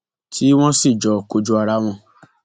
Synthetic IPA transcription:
tʰi˨˦w̃ɔ̃˦si˦˨d͡ʒɔ˨ko˧d͡ʒu˦a˧ɾa˧˦w̃ɔ̃˧

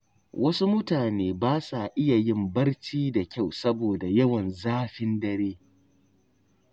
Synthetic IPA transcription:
wʔɐ˦su˦mʊ˦taː˨neː˦baː˦sa˨ʔɪ˦ja˨jɪ˦˨mbɐ˦rt͡ʃiː˦da˨kʲa˦˨wsɐ˦boː˨da˨jɐ˦wɐ˨nzaː˦ɸɪ˦ndɐ˦ɾeː˦

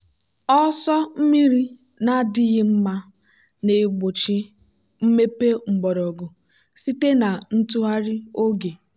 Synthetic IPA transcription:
ɔ˦sɔ˦m̩˦mi˦ɾi˦ | na˦dɪ˦ɣɪ˦m̩˦ma˦ | ne˨ɡ͡bo˨t͡ʃi˦ | m̩˦me˦pe˦ŋ͡m̩˨ɡ͡bɔ˨ɾɔ˨ɡo˨ | si˦te˦na˨n̩˦tu˦ɦa˦ɾɪ˦o˦ɡe˨

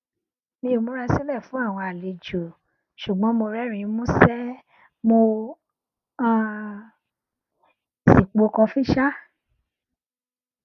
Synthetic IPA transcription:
mĩ˧o˨mõ˦ɾɛ˦˧si˦lɛ˦˨fũ˨˦a˦˨w̃ɔ̃˧a˨le˨d͡ʒo˨ | ʃu˨ɡ͡bɔ̃˨˦mo˧ɾɛ˦ɾ̃ĩ˧˨˦mũ˦sɛ˦ | mo˧ | ã˦˧ | si˨k͡po˨˧kɔ̃˧fi˦ʃa˦

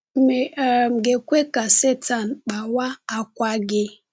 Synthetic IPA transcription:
m̩˦me˨m̩˨ɡe˨kʷe˦ka˨se˦ta˨nk͡pa˨wa˦a˨kʷa˦ɡɪ˦

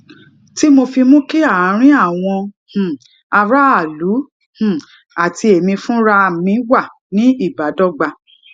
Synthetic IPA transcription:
ti˦mo˧fi˧mũ˦ke˦a˦˨a˨˧˦ɾ̃ĩ˦a˦˨w̃ɔ̃˧ | h̩˨ | a˧ɾa˦a˦˨lu˨˦ | hũ˨ | a˨tʰi˧e˨mĩ˧fũ˦ɾa˧˨mĩ˨˧˦wa˦˨ | nĩ˨˦i˦˨ba˨˦dɔ˦ɡ͡ba˧

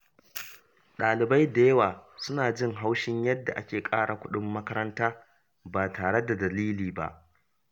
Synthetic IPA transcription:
ɗaː˨lɪ˨ba˦jda˨jɐ˦waː˨sʊ˦naː˨d͡ʒɪ˦˨ŋɦa˦wʃɪ˦ɲjɐ˦dːa˨ʔa˦kʲeː˨kʼaː˦ɽʔa˨kʷʊ˦ɗʊ˦mːɐ˦kɐ˦ɾɐ˦ntaː˦ | baː˨taː˨ɽe˦da˨dɐ˨liː˦liː˨ba̰˦˨ʔ

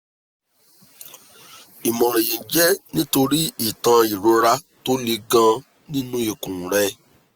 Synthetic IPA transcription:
i˨mɔ̃˨ɾ̃ẽ˨jĩ˨d͡ʒɛ˦nĩ˦to˧ɾi˦i˦˨tã˧i˨ɾo˧˦ɾa˧ | to˦li˧ɡã˧ | nĩ˦nũ˦i˨kũ˨ɾɛ˧˦

